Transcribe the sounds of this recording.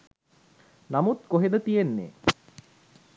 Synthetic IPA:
namut̪koɦed̪ət̪ijenːḛ

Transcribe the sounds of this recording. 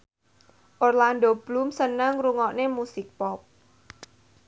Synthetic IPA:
ʔɔrlandob̥lumsənəŋruŋɔʔnemusɪk̚pɔp̚

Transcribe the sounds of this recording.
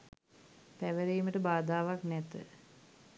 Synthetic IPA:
pæʋəɾiːməʈəbaːd̪aːʋaknɛt̪ə̰

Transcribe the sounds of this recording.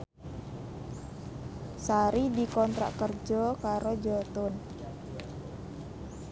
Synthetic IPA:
saɾidikɔnt̪ɾa̰ʔkərd͡ʒɔkaɾod͡ʒɔt̪ʊn

